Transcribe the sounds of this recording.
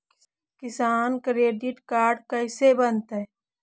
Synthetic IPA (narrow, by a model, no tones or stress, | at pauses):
kɪsaːnkɾeːɖɪʈkaːɾɖkɐɪsebənt̪ɦɛ